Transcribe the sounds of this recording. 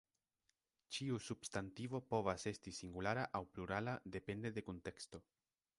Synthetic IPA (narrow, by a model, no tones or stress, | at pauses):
t͡ʃiusubstantivo̞po̞vase̞stisiŋɡulaɾaʔawpluɾalad̪e̞pe̞nd̪e̞d̪e̞kunte̞ksto̞